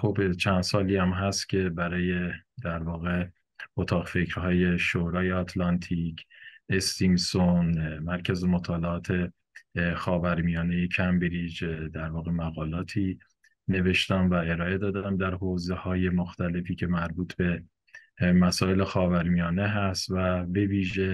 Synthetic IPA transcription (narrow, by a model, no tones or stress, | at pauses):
xobt͡ʃʰænd̪̥sɒːliːæmɦæst̪cʲʰe̞bæɾɒːje̞d̪æɾvɒːɣe̞ | ot̪ʰɒːɣfe̞cɾɦɒːje̞ʃoɾɒːjeɒt̪ʰlɒnt̪ʰiːkʰest̪imsonmæɾcʰæzemot̪ʰɒːleɒːt̪ʰe̞ | xɒːvæɾmijɒːne̞jecʰæmbeɾid͡ʒd̪æɾvɒːɣe̞mæɣɒːlɒːt̪ʰiː | ne̞ve̞ʃt̪æmvæe̞ɾɒːe̞d̪ɒːd̪æmd̪æɾhoːzehɒːje̞moxt̪æle̞fiːcʰe̞mæɾbuːt̪ʰbe̞ | mæsɒːe̞le̞xɒːvæɾmijɒːne̞ɦæst̪væbe̞viːʒe̞